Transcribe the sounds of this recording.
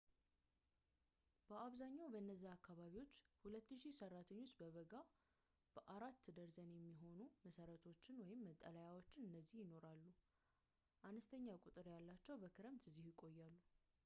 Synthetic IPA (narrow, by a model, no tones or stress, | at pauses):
b̥əʔaβzaɲːawbəɨnːəzːiakːaβaβiwo̞t͡ʃːhulət̪ːɨʃisərːat̪ʰəɲːo̞t͡ʃːbəβəɡa | b̥əʔaɾat̪ːɨd̪əɾzənjɛmːiɦo̞numəsəɾət̪ʰo̞t͡ʃːɪnwɔjɪmːət̪ʼːəlajawo̞t͡ʃːɪnɨnːəzːihjɪno̞ɾalːu | ʔanəst̪ʰəɲːakʼut̪ʼɨɾjalːat͡ʃːɛwbəkʰɨɾəmt̪ʰɨzːihjɪkʼo̞jːalːu